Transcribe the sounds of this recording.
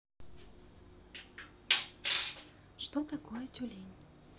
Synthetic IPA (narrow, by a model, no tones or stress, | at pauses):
ʃt̪ot̪akojətʲulʲenʲ